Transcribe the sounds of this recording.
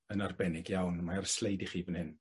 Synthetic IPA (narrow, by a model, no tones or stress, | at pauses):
ənarbɛnɪɡjawnmaarəslˠejdɪχiːvənhɪn